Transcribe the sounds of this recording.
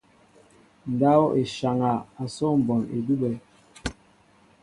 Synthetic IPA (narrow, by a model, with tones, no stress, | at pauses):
n̩˨da˦ɔ˦ʔe˨ʃa˨ŋa˨a˨sɔ˦m̩˨bɔ˨nḛ˨du˦bɛ˨